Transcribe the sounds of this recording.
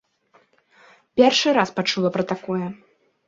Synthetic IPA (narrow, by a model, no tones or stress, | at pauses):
pʲɛrʂɨɾaspat͡ʂulˠɐpɾɐt̪akɔjɛ